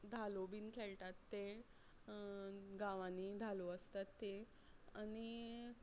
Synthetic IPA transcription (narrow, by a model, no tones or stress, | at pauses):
d̪ʱalobiːnkʰeɭʈat̪ːe | ɡãʋãniːd̪ʱaloəst̪at̪ːe | añi